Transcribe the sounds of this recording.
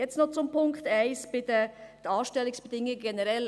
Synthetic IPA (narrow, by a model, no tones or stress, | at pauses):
jɛt͡sstnɔχt͡sʊmpʊŋkt̪æɪsb̥ɪt̪əd̥̪əɑːʃtɛlɪŋsb̥ədɪŋəɡɛnəɾɛl